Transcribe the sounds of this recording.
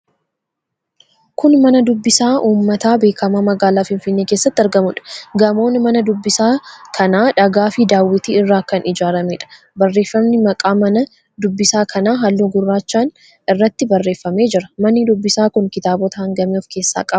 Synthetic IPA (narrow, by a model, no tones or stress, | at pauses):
kʊnmɐnɐd̪ʊbːɪsaːʔuːmːɐt̪aːbe̞ːkɐmaːmɐɡaːlaːfɪnfɪnːeːkeːsːɐt̪ːɪɐɾɡɐmʊᶑɐ̥ɡɐmo̞ːnmɐnɐd̪ʊbːɪsaːkʰɐnaːᶑɐɡaːfɪd̪aːwːɪt̪iːɪrːaːkɐnɪd͡ʒaːɾɐmeᶑɐ̥ | bɐrːe̞ːfːɐmnɪmɐkʼaːmɐnɐ | d̪ʊbːɪsaːkʰɐnaːɦɐlːuɡʊrːaːt͡ʃːaːn | ɪrːɐt̪ːɪbɐrːe̞ːfːɐme̞ːd͡ʒɪɾɐmɐnːɪd̪ʊbːɪsaːkʊŋkɪt̪aːbɔt̪ɐhɐŋɡɐmeːɔfke̞ːsːa̰ːkʼɐb